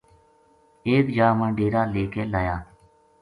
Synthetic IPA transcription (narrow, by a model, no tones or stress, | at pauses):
eːd̪d͡ʒaːmə̃ːɖeːɾaːleːkeːlaːjaː